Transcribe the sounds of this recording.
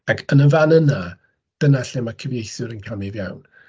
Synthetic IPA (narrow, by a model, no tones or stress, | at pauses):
akʰənəvanəna | d̥ənaɬɛmakʰəvjejθʊɾənkʰamɪvja̰wn